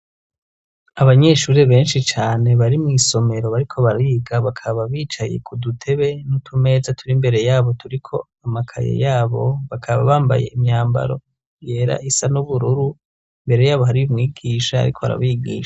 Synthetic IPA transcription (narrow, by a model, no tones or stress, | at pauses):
aβaɲe̞ʃuɾeβe̞ːnʃit͡ʃaːne̞βaɾimŋiːso̞me̞ɾo̞βaɾikʰo̞βaɾaiɡaβakʰaβaβiːt͡ʃaje̞̰kudutʰe̞βe̞nutʰume̞ːzatʰuɾimbe̞ɾe̞jaːβo̞tuɾikʰo̞ | amakʰa̰jḛjaːβo̞βakʰaβa̰βaːmba̰je̞̰ʔimɲaːmba̰ɾo̞̰ | je̞ɾa̰ʔisanuβuɾuɾu | imbe̞ɾe̞jaːβoɦaɾiumŋiːɡiːʃaa̰ɾikʰo̞βa̰ɾa̰βiːɡḭːʃa